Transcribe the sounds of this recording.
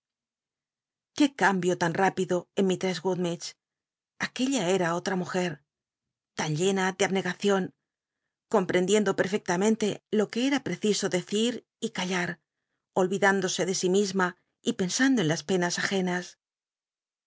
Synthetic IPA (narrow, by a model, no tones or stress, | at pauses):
ke̞kambjo̞t̪anrapiðo̞enmit̪ɾezɣuðmet͡ʃ | ake̞ʎae̞ɾao̞t̪ɾamuxe̞ɾ | t̪anʎe̞naðeaβne̞ɣaθjo̞ŋ | ko̞mpɾe̞nd̪je̞nd̪o̞pe̞ɾfe̞k̚t̪amẽ̞nt̪e̞lo̞ke̞eɾapɾe̞θiso̞ðe̞θiɾ | ikaʎaɾ | o̞lβiðand̪o̞se̞ðe̞simizma | ipe̞nsand̪oe̞nlaspe̞nasaxe̞nas